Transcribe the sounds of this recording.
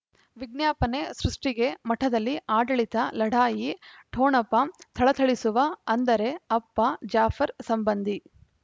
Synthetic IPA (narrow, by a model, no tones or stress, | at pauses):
ʋiɡ̚njaːpɐne̞sɾuʂʈiɡe̞mɐʈʰɐd̪ɐlːiaːɖɐɭit̪ɐlɐɽaːjiʈʰoːnɐpːɐt̪ʰɐɭɐt̪ʰɐɭisuʋɐɐnd̪ɐɾe̞ɐpːɐd͡ʒaːfɐɾsɐmbɐnd̪ʱi